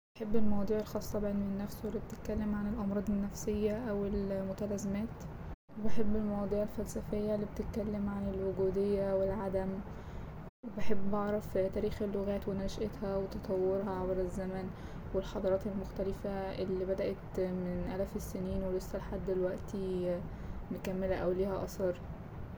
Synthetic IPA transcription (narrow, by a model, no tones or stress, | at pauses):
beħebːelmɑwɑːd̪ˤiːʕelxɑːsˤːɑbeʕenenːæfsoelːibet̪et̪̚kælːemʕanelʔɑmɾˤɑːd̪ˤenːæfsejːæʔæwelmot̪ælæːzemæːt̪ | webeħebːelmɑwɑːd̪ˤiːʕelfælsæfejːælːibet̪et̪̚kælːemʕanelwoɡuːd̪ejːæwelʕad̪æm | webeħebːbɑʕɾˤɑft̪æːɾiːxelːoɣæːt̪wenæʃʔet̪hæwet̪ɑt̪ˤɑwːeɾhɑʕabɾæzːæmæn | welħɑd̪ˤɑɾˤɑːt̪elmoxt̪ælɪfæʔelːibæd̪æʔæt̪menʔælæfesːeniːnwelesːælħad̪ːelwæʔt̪i | mekæmːelæʔæwliːhæʔɑsɑɾˤ